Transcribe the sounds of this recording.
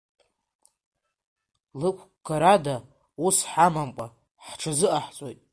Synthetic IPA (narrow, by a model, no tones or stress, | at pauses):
lɨkʷʰɡaɾada | usħamamkʷʼa | ħʈ͡ʂʰazɨʔaħt͡sʼojtʼ